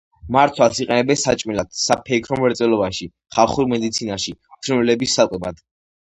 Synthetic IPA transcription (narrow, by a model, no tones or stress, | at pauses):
maɾt̪ʰwasiqʼɛnɛbɛnsat͡ʃʼmilad̪̥sapʰɛkʰɾɔmɛɾt̪sʼɛlˠɔbaʃi | χalˠχuɾmɛd̪it̪sʰinaʃit̪ʰɾɛmɛlɛbisːakʼɛbad̪̥